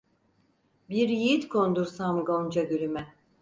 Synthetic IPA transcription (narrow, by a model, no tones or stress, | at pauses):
biɾjiit̪kʰond̪uɾsamɡond͡ʒad̪yɾymɛ